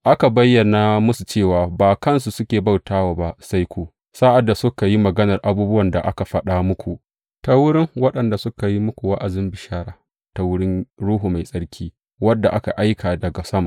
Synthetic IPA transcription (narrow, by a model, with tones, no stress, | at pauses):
ʔa˦ka˨bɐ˦jːɐ˨na˨mʊ˦su˨t͡ʃeː˦˨waː˨baː˨kɐ˦nsu˨sʊ˦kʲeː˨ba˦wtaː˦waː˨ba˦sa˦jkʷuː˨ | saː˦ʔa˨dːa˨sʊ˦ka˨ji˦mɐ˨ɡɐ˦nɐ˨rʔa˨buː˦bʊ˦wɐ˨nda̰˨ʔa̰˦ka˨ɸɐ˦ɗa˦mʊ˦kʷu˨ʔ | ta˦wʊ˦ɽɪ˦ŋwɐ˦ɗɐ˨nda˨sʊ˦ka˨ji˦mʊ˦kʷu˨wa˦ʔa˨zɪ˦mbɪ˨ʃaː˦ɽaː˨ | ta˨wʊ˦ɽɪ˦nɽuː˦ɦu˨ma˨jsʼɐ˦ɽkʲʰiː˦ | wɐ˦dːa˨ʔa˦ka˨ʔa˦jkʰaː˨dɐ˨ɡa˨sɐ˦ma̰˨ʔ